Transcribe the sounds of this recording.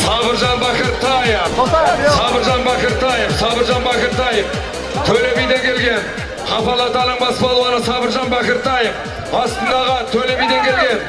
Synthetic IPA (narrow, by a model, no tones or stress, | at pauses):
sɑbəɾʒɑnbɑkʲəɾt̪ʰɑjəfsɑbəɾʒɑnbækəɾt̪ʰɑjəfsɑbəɾʒɑnbækəɾt̪ɑjəf | t̪ʰɵle̞mejd̪eŋkʲʰe̞lɡʲe̞n | qʰɑpɑlˠɑt̪ɑləɴbɑsəpɑlˠuɑnəsɑbəɾʒɑnbækəɾt̪ʰɑjəf | bɑst̪ənd̪ɑʁət̪ʰɵle̞mejd̪eŋkʲʰe̞lɡʲe̞n